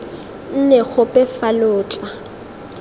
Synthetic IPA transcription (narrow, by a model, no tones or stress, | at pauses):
n̩nɛɣʊpʼɛfalʊːt͡ɬʼa